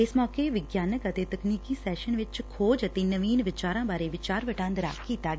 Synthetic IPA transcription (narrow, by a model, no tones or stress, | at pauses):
ɪsmɔːkeʋɪɡjaːnəkət̪eːt̪əkniːkiːsɛːʃənʋɪt͡ʃkʰoːd͡ʒət̪eːnəʋiːnʋɪt͡ʃaːɾãːbaːɾeːʋɪt͡ʃaːɾʋəʈãːnd̪ɾa̰ːkiːt̪aːɡɛ